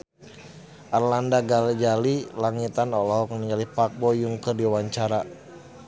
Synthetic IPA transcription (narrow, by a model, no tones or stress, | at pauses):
ʔarlandaɡalɡalilaŋit̪anɔlɔɦɔkŋəniŋɡalipak̚bɔjuŋkərdiwaɲt͡ʃaɾa